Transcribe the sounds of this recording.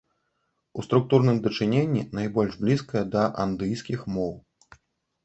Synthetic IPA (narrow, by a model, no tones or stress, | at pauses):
ust̪ɾuk̚t̪urnɨmd̪ɐt͡ʂɨnʲenʲːḭnajbɔlʲʐblʲiskɐjɐd̪ɐʔand̪ɨjskʲixmɔw